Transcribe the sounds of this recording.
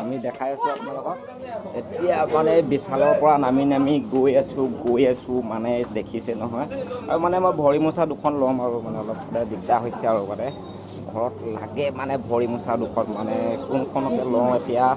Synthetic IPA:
amidɛkʰajasɛapunalɔɡɔt | etijamanɛbisalɔɹpɔɹanaminamiɡojasʊ̃ɡojasʊmanɛdekʰisɛnɔɦɔja̰ɹumanɛmɔjbʱɔɹimusadʊkʰɔnlɔmaɹumanɛɔlɔp̚xɔdajdikdaɦojsɛaɹumanɛ | ɡʱɔɹɔtla̰ɡɛmanɛbʱɔɹimusadʊkʰɔtmanɛkʊnkʰɔnɔkɛlɔ̃etija

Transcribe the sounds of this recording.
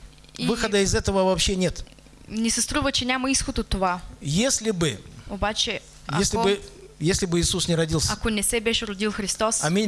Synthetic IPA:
ivɨxəd̪əɪzɛt̪əvəvɐpɕenʲet̪ | nʲɛsɐst̪ɾuvət͡ʃɛnʲaməisxot̪ot̪ːovajesʲlʲɪbɨobat͡ʃɛ | jaesʲlɪbɨ | jesʲlʲɪbɨiːsusnʲɪɾɐdʲilˠsʲɐkonʲɛsɛbɛʃɾʊd̪ilˠxɾʲist̪osɐmʲe

